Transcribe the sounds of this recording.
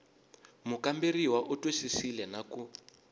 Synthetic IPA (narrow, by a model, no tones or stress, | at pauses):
mukamberiwaʔutʼoʃisilɛnaku